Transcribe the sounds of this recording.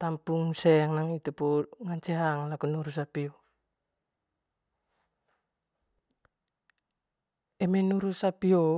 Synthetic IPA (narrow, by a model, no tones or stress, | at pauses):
t̪ampuŋseaŋnaŋit̪upuŋaɲt͡ʃeɦaŋlakunuɾusapio | emenuɾusapio